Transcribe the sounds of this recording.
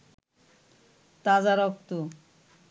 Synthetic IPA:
t̪ad͡zaɾɔkt̪u

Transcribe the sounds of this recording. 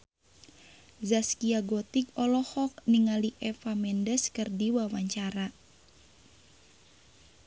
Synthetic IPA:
zaskiaɡɔt̪ikɔlɔhɔk̚niŋaliʔɛfamɛndəskɨrdiwawaɲt͡ʃaɾa

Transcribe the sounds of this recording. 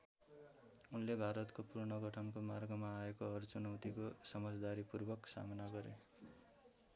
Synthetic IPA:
unlebʱaɾʌt̪kopurɳʌɡʌʈʰʌnkomarɡʌmaːekoʌrt͡sunʌwt̪ikosʌmʌd͡zd̪aɾipurbʱʌksa̰mʌnaɡʌɾḛ

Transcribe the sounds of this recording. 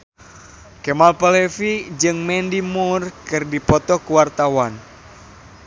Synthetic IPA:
kɛmalpalɛfid͡ʒɨŋmɛndimurkɨrdipɔt̪ɔkuwart̪awan

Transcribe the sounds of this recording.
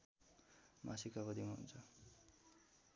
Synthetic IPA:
mʔa̰sikabʌd̪imaɦṵnt͡sʰʌ

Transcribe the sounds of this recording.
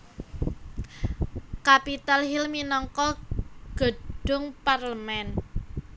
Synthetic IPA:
kapit̪alɦilminɔŋkɔɡ̥ə̤d̥ʊ̤ŋparləmɛn

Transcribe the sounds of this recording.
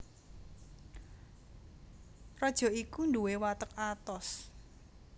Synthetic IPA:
rɔd̥ʒ̥ɔ̤ikunduwewat̪əkat̪ɔs

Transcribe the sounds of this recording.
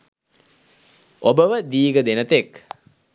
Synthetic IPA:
obəʋəd̪iːɡəd̪enət̪ek

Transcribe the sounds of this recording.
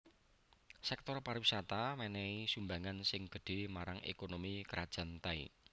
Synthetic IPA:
sɛk̚t̪ɔrparwisat̪amɛnɛisumbaŋansɪŋɡ̥ə̤ɖ̥e̤maɾaŋḛkonomikəɾad̥ʒ̥a̤nt̪aḭ

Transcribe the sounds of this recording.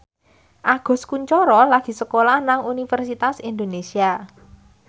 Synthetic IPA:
ʔaɡ̥ɔ̤skuɲt͡ʃɔɾɔlaɡ̥i̤səkolahnaŋunifərsit̪asind̪onesia

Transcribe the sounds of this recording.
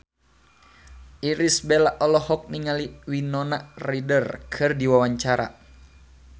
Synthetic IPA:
ʔiɾisbɛlaʔɔlɔhɔk̚niŋaliwinɔnaridərkʰɨrdiwawaɲt͡ʃaɾa̰

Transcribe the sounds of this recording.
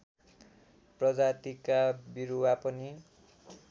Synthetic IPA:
prʌd͡zat̪ikabiɾuwapʌni

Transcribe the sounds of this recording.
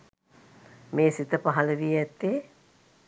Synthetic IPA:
meːsit̪əpaɦɐləʋiɛt̪ːeː

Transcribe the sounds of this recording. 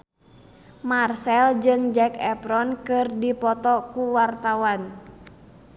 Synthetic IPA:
marsɛld͡ʒɨŋd͡ʒɛkɛpɾɔnkɨrdipɔt̪ɔkuwart̪awan

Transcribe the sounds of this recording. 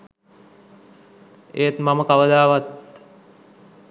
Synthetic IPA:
eːt̪maməkaʋəd̪aːʋat̪

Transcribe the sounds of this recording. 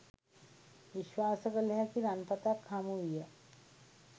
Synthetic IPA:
ʋɪʃwaːsəkəlɦɛkiɾaːnpət̪akʰːaːmuɦiɦɛ

